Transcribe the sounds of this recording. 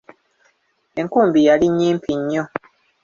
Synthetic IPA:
e̞ŋkuːmbijaliɲːiːmpʰiɲːo̞

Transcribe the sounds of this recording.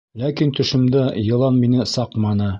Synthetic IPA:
lækint̪ɵ̆ʃɘ̆md̪æjɤ̆lˠɑnminɘsɑqmɑnɤ

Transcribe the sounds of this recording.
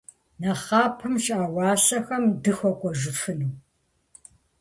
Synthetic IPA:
nɐχɑːpʰɨmɕʼaːwɑːɕɐxɐmdɨxʷɔkʷʼɔʒɨfɨnɨw

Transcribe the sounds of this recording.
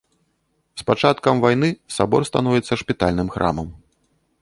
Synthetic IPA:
spat͡ʂat̪̚kɐmvajnɨsabɔrst̪anɔvʲɛt̪sːɐʂpʲit̪alʲnɨmxɾʔa̰mɐm

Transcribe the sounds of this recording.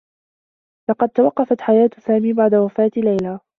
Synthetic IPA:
lɑqɑd̪̚t̪ːawɑqːɑfat̪ħajaːt̪saːmiːbaʕd̪awafaːt̪lajlaː

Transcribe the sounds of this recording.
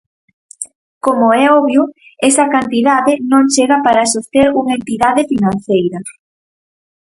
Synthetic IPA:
komoɛɔβjʊesɐkant̪iðaðɪnõŋt͡ʃeɣɐpaɾasoθeɾuŋɐent̪iðaðɪfinãn̟θejɾɐ

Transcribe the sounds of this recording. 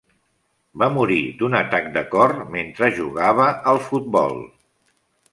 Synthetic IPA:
bamuɾid̪unət̪ak̚d̪əkɔrment̪ɾəʒuɣaβ̞əəlˠfut̪̚bɔ̰lˠ

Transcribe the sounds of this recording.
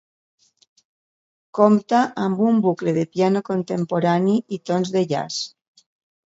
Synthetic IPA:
komt̪aʔambumbukleðepianokont̪empoɾaniit̪onzðeʎa̰s

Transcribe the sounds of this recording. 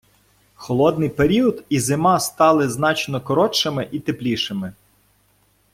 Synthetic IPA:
xɔlˠɔd̪nɪjpeɾʲiɔd̪izɪmɑst̪ɑlˠɪznɑt͡ʃnɔkɔɾɔt͡ʃɪmɪʔit̪eplʲiʃɪmɪ

